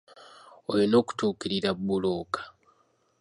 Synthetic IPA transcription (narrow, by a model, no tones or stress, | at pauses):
ojino̞ːku̥tuːkiɾiɾabːuloːkḁ